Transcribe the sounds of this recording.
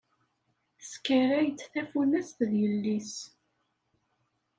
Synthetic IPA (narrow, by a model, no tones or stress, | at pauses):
skəɾæjət͡sːθæfunæst̪ðjəlːis